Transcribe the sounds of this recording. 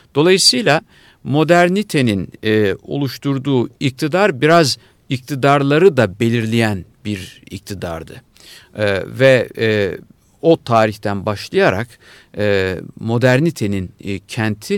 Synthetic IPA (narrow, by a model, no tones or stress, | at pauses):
d̪̥o̞lˠajɯsɯjlʲˠa | mo̞d̪æɾnit̪ʰe̞ninɛo̞̰lˠuʃt̪ʰuɾd̪uːic̚t̪ʰid̪aɾbiɾaz | ic̚t̪ʰid̪aɾlˠaɾɯd̪abe̞lʲiɾlʲijænbiɾḭc̚t̪ʰid̪a̰ɾd̪ɯ̰ | vɛ | o̞t̪ʰaːɾiçt̪ʰænbaʃlˠajaɾa̰kː | mo̞d̪æɾnit̪ʰe̞nincʰænt̪ʰi